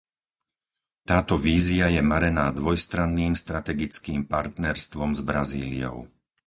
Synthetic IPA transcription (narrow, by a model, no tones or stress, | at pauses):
t̪aːt̪ɔʋiːziajɛmaɾɛnaːd̪ʋɔjst̪ɾanːiːmst̪ɾat̪ɛɡit͡skiːmpaɾt̪nɛɾst̪ʋɔmzbɾaziːlḭɔ̰ʊ